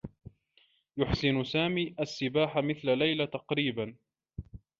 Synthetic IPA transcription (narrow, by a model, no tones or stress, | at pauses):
jʊħsɪnʊsaːmiːʔasːɪbaːħamɪθlalajlat̪ɑqɾiːban